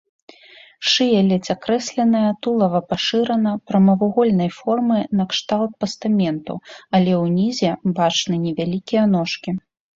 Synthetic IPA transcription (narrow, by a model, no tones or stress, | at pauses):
ʂɨjɛlʲɛt͡sʲakɾɛsʲlʲɛnɐjɐt̪ulˠɐvɐpaʂɨɾɐnɐpɾɐmɐvuɣɔlʲnɐjfɔrmɨnɐkʂt̪alˠt̪̚pɐst̪amʲɛnt̪ṵɐlʲɛwnʲizʲɛbat͡ʂnɨnʲɛvʲalʲikʲijɛnɔʂkʲi